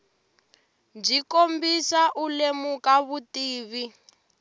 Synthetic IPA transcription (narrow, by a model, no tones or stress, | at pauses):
d͡ʒikombisaʔulemukaβutiːβi